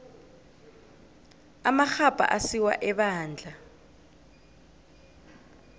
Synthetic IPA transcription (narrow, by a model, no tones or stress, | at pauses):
amaxapʼa̰ʔasiwa̰ʔɛɓaːnd͡ɮʱa